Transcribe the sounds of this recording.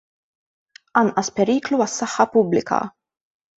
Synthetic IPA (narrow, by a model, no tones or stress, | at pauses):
ʔɐnʔɐspɛɾiːkluɐsːɐħːɐpʊblɪkʰɐ̰